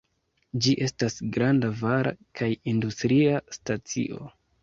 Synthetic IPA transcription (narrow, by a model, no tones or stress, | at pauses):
d͡ʒiʔe̞stasɡɾandavaɾa̰kʰajindustɾiastat͡sḭʔo̞̰